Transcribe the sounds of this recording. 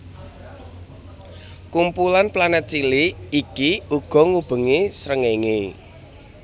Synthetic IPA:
kumpulanplanət͡ʃiliikiuɡ̥ɔ̤ŋub̥ə̤ŋesɾəŋeŋe

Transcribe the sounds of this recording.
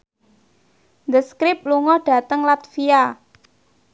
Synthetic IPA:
nd̪əskɾɪp̚luŋɔɖ̥ä̤t̪əŋlat̪fia

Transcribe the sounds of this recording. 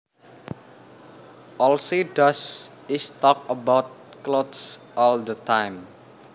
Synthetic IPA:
ʔɔlsiɖas | ɪst̪ɔk̚əbawt̪̚klodsʔɔld̪ət̪ʰãjm

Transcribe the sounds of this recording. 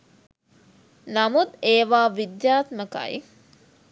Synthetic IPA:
namud̪eːʋaːʋid̪jaːt̪məka̰j

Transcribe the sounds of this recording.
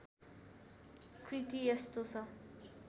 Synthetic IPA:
kʰrit̪ijest̪ot͡sʰʌ

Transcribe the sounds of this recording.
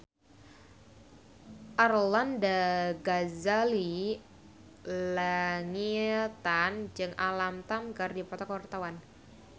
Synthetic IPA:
ʔarlandaɡazali | laŋit̪and͡ʒɨŋalamt̪amkardipat̪akɔrt̪awan

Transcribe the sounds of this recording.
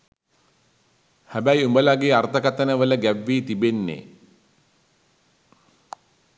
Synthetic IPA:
hæbæjumbəlaɡeːart̪əkat̪ənəʋələɡæʋːiːt̪ibenːḛ

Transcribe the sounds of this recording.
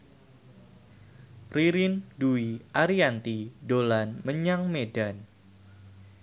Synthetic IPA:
riɾɪnduiʔaɾiant̪idolanməɲaŋmedan

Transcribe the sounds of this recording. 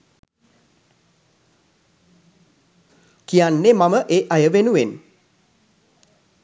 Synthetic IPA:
kijanːemaməʔeːʔajəʋenuʋen

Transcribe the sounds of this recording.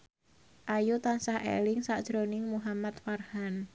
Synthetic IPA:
ʔajut̪ansahʔḛlɪŋsad̥ʒ̥ɾonɪŋmuɦamat̪farhan

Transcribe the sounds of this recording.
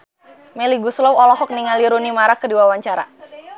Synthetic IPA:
mɛliɡuslɔwɔlɔɦɔk̚niŋaliɾunimaɾakːədiwawaɲt͡ʃaɾa̰

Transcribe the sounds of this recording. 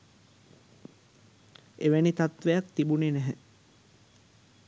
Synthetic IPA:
eʋenit̪at̪ʋejakt̪ibunenæɦɛ

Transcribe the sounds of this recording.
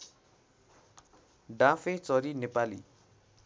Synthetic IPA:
ɖãfʰet͡sʌɾinepalḭ

